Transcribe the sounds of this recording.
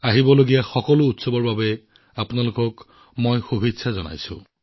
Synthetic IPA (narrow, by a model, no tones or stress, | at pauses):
aɦibɔloɡijaxɔkɔlʊːtsɔbɔɹbabɛ | apʊnalʊkɔk | mojxubʱitsʰazɔna̰jsʊ̰̃